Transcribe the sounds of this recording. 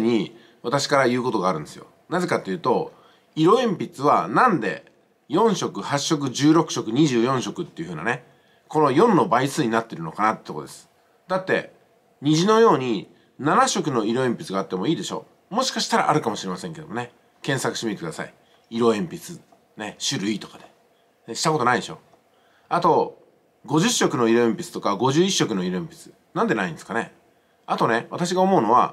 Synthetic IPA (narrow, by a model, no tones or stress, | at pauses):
ɲ̟i | βat̪aɕi̥kaɾajɯ̟ːko̞t̪o̞ɡaːɾɯ̟̃nd̪e̞sɨjo̞̰ | naze̞kat̪ːejɯ̟ːt̪o̞ | iɾo̞ẽ̞mpʲit͡sɨβanãnd̪e̞̰ | jõ̞ɰ̃ɕo̞kɯ̟haɕːo̞k̬ɯ̟ʑɨːɾo̞kɯ̟̥ɕo̞kɯ̟ɲ̟iʑɨːjõ̞ɕo̞kɯ̟t̪ːe̞iɯ̟ɯ̟ːna̰ne | ko̞no̞jõ̞nːo̞baisɨːɲ̟inat̪ːe̞iɾɯ̟no̞kanat̪ːee̥ːt̪oko̰d̪esɨ̥ | d̪at̪ːe̞̰ | ɲ̟iʑino̞jo̞ːɲ̟i | nanaɕo̞kɯ̟no̞iɾo̞ẽmpʲi̥t͡sɨɡaːt̪ːe̞mo̞iːd̪e̞ɕo̞̰ː | mo̞ɕi̥kaɕi̥t̪aɾa̰ʔaɾɯ̟kamo̞ɕiɾe̞masẽŋke̞d̪omone | kẽɰ̃sakɯ̟̥ɕimit̪ekd̪a̰sa̰i | iɾo̞ẽ̞mpʲit͡sɨ | ne̞ɕɨɾɯ̟it̪o̞̥kad̪e̞ | neɕi̥t̪ako̞t̪onaid̪e̞ɕo̞̰ | at̪o̞ | ɡo̞ʑɨɕːo̞kɯ̟no̞iɾo̞ẽ̞mpʲi̥t͡sɨ̥t̪okaɡo̞ʑɨːiɕːo̞kɯ̟no̞iɾo̞ẽ̞mpʲi̥t͡sɨ̥ | nãnd̪e̞naĩnd̪esɨ̥kane̞ | at̪o̞ne̞βat̪aɕ̬iɡao̞mo̞ɯno̞βa̰